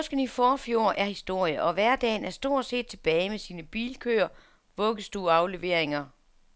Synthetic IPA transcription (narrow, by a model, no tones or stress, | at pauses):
ɔsɡ̥ən̩ifɒːfjo̝ɐ̰ʔæɐhisd̥o̝ɐ̰jəʔɒ̽ʋæɐ̰d̥ɛ̰ːnæɐsd̥o̝ɐ̰d̥se̝̰ːd̥̚t͡sʰe̝b̥ɛːɪmesiːnəb̥ḭːlkʰø̰ːɐ | ʋɔ̽ɡ̥əsd̥uːɑ̈ʊle̝ʋe̝ɐ̰eŋɐ